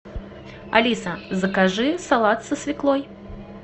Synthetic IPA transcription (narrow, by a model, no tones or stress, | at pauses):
a̰lʲisɐzɐkaʐɨsalˠat̪sɐsʲvʲiklˠɔj